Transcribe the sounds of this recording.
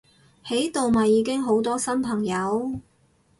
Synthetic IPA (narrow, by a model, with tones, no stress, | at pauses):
he˨˥jt̪o˨wmɐ˨jːiː˨˥kɪ˥ŋɦo˨˥wt̪ɔː˥sɐ˥npʰɐ˨˩ŋjɐ˨˧˥w